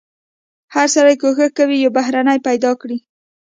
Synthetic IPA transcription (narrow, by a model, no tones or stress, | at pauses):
haɾsaɾajkoxəxkawijawbaɦɾanajpajd̪ɑkɽi